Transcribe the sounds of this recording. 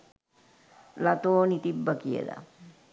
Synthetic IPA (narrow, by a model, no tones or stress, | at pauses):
lat̪oːnit̪ibːəkiḛla̰